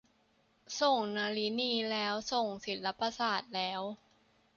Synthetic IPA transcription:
so˨˩ŋnaː˧li˦˥niː˧˩lɛː˦˥wso˨˩ŋsi˨˩˦t̪la˦˥pa˧saː˨˩t̪̚lɛː˦˥w

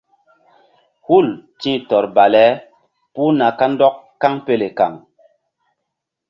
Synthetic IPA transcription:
hu˦˨ltĩ˦tɔ˨ɾba˨lɛ˦ | pu˦na˨ka˦ndɔ˦kːa˦ŋpe˦le˨ka̰˨ŋ

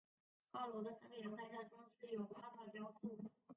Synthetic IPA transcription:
kɑ˥˩ʊlwɔ˧˥d̪ə˧sa˥ŋjɑ˧˥ŋt̪a˥˧ɪt͡ɕja˥˩ʈ͡ʂʊ˥ŋɕɻ̩˥˩jo˨˩ʊa˥˩t̪ʰɑ˥˩ʊljɑ˥ʊsu˥˩

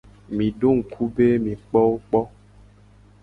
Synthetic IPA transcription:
mĩ˨ɖo˦ŋ̩˨kʰu˦be˦mĩ˨k͡pɔ˦wo˦k͡pɔ˦

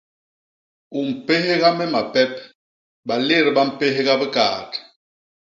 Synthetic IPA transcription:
u˨m̩˨pe˦ɦe˦ɣa˦mɛ˦ma˨pɛ˦p̚ | ɓa˨le˦˨ɾɓa˦m̩˨pe˦ɦe˦ɣa˦bə˦ka̰ː˨t

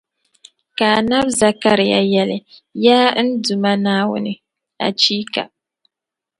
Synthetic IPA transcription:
ka˨na˦bza˨ka˦ɾɪ˨ja̰˨jɛ˦lɨ˨jaː˦n̩˦du˨ma˦naː˦wʊ̰˦nɨ˦ | a̰˨t͡ʃiː˦ka̰˨

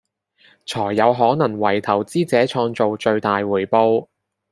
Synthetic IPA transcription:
t͡sʰɔː˨˩jːɐ˨˧wɦɔː˨˥nɐ˨˩ŋwɐ˨˩jt̪ʰɐ˨˩wt͡siː˥t͡sɛː˨˥t͡ʃʰɔː˧ŋt͡so˨wt͡ʃɵ˧ɥt̪aː˨jwuː˨˩jpo˧w

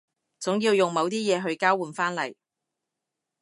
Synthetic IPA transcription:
t͡sʊ˨˥ŋjiː˧wjʊ˨ŋmɐ˨˧wt̪iː˥jɛː˨˧ɦɵ˧ɥkaː˥wuː˨nfaː˥nlɐ̰˨˩j

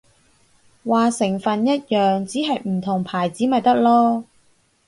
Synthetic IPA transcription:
waː˨˧sɪ˨˩ŋfɐ˨njɐ˥t̚jœː˨ŋt͡siː˨˥ɦɐ˨jm̩˨˩t̪ʰʊ˨˩ŋpʰaː˨˩jt͡siː˨˥mɐ˨jt̪ɐ˥k̚lɔː˥

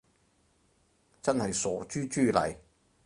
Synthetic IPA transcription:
t͡sɐ˥nhɐ˨jsɔː˨˥t͡ʃyː˥t͡ʃyː˥lɐ̰˨˩j

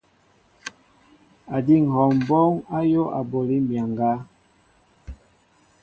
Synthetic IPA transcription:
a˨di˦˨ŋ˨hɔ˨m̩˨bɔ˦ŋa˦jo˦ʔa˨bo˨li˦m̩˦bja˨ŋɡa˦

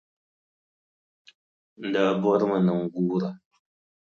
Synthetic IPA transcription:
da˦˨bɔ˦ɾma˨nə˨ŋɡuː˦ɾa˨

